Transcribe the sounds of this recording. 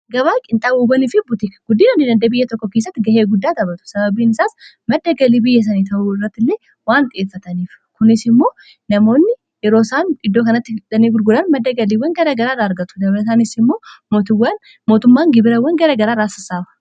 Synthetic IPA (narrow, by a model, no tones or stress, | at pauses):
ɡɐβaːkʼɪnt̪ʼaːbuːbɐnifɪbʊt̪ikɐɡʊd̪ːiːnɐd̪iːd̪ɐnd̪ɐbɪjːɐt̪ɔkːɔkesːɐt̪ːɪɡɐheːɡʊd̪ːaːt̪ɐbɐt̪ʊ̥sɐβɐbiːnɪsaːs | mɐd̪ːɐɡɐliːbɪjːɛs̬ɐniːt̪ʰɐʔuɪrːɐt̪ːɪlːeː | waːnt̪ʼɪeːfːɐt̪ɐniːf | kʊnɪsɪmːo̞ː | nɐmo̞ːnːɪ | jɛɾo̞ːsaːnɪd̪ːoːkɐnɐt̪ːɪᶑɐniːɡʊɾɡʊlɐnmɐd̪ːɐɡɐliːwɐnɡɐɾɐɡɐɾaːɾaːɐɾɡɐt̪ʊ̥d̪ɐbɾɛs̬aːnɪsɪmːo̞ːmoːt̪ʊwːan | mo̞ːt̪ʊmːaːŋɡɪbɪɾɐwɐŋɡɐɾɐɡɐɾaːɾaːsɐsaːbɐ̥